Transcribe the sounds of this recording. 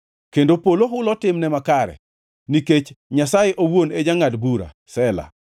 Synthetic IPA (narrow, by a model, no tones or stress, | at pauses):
kendopoloɦʊlɔtɪmnɛmakaɾɛ̰ | niket͡ʃɲasajeʔowoned͡ʒaŋadbuɾa̰ | sɛla̰